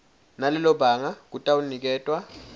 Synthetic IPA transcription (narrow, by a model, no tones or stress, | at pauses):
nalɛlɔbaːŋak̬utʼawunik̬ɛːtʼwa